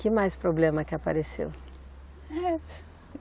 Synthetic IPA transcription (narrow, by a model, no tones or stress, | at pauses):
kɪmajspɾoblẽmɐkɪapa̰ɾesḛw | ɛ